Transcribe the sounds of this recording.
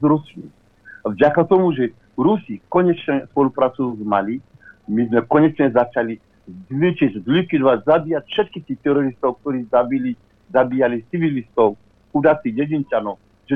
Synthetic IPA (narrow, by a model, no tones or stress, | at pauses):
zɾuslḭ | vɟakat̪ɔmuʒɛ | ɾusikɔɲɛt͡ʃɲɛspɔlupɾat͡suzmali | mizmɛkɔɲɛt͡ʃɲɛzat͡ʃali | zvit͡ʃiczlikid̪vazabiːjacfʃɛt̪̚kit̪ixt̪ɛɾɔɾist̪owk̚t̪oɾiːzabili | zabiːjalit͡sivilist̪ow | ud̪at͡siɟɛd͡ʑint͡ʃanɔw | ʒɛ